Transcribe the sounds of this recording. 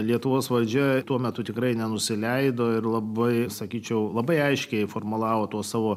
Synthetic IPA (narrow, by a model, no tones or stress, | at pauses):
lʲiɛt̪ʊʋoːsʋɐlʲd͡ʒʲɛt̪uɔmʲɛt̪ʊt̪ʲɪkɾɐɪnʲɛnʊsʲɪlʲɛɪd̪oːɪɾlˠɐbɐɪsɐkʲiːt͡ʃʲɛʊlˠɐbɐɪɐɪʃʲkʲɛɪfoːrmʊlˠɑːʋoːt̪uɔssɑːʋoː